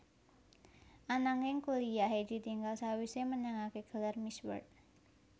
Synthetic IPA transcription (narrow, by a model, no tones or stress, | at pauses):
ʔanaŋɪŋkolijaɦed̪i̤t̪iŋɡalsawisemənaŋakeɡ̥ə̤larmiswə̰rt̪̚